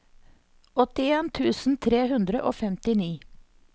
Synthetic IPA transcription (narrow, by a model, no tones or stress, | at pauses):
ɔt̪ɪeːnt̪ʰʉːsn̩t̪ʰɾeːhʉnd̪ɾəʔo̰ːfɛmt̪ɪniː